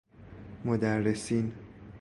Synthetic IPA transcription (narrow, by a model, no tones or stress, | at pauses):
mod̪ærːesiːn